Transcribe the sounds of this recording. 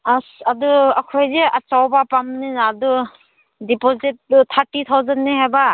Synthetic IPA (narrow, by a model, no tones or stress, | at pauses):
asaduakʰɔjzeʔat͡ʃawbapamninaːdu | dipozit̚tʰaɾtit̪ʰawzənːiɦaba